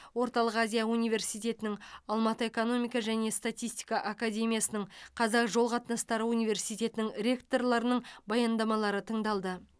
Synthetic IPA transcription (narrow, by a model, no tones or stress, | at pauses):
wo̞ɾt̪ɑlˠəqazʲijaunijve̞ɾsijt̪e̞t̪ɪnɪŋɑlˠmɑt̪əe̞kono̞mijkɑʒæne̞st̪at̪ijst̪ʲi̥jkɑʔakad̪ʲe̞mʲijasənəɴqʰɑzɑqʒo̞lˠqʰɑt̪nɑst̪ɑɾəunijve̞ɾsijt̪ʲe̞t̪ɪnɪŋɾʲe̞kt̪o̞rlˠɑɾənəɴbɑjɑnd̪ɑmɑlˠɑɾət̪ʰəɴd̪ɑlˠd̪ə